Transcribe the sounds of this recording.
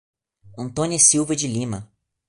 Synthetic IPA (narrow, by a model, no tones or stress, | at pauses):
ɐ̃nt̪õnʲiɐsiwvɐd͡ʒɪlĩmɐ